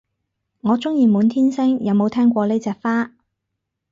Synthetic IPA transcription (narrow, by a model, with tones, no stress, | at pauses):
ŋɔː˨˧t͡sʊ˥ŋjiː˨˧muː˨˧nt̪ʰiː˥nsɪ˥ŋjɐ˨˧wmo˨˧wt̪ʰɛː˥ŋkʷɔː˧le˥jt͡sɛː˧k̚faː˥